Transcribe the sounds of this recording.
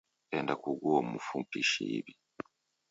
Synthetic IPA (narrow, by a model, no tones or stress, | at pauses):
endakuɡuomufumpiʃḭβi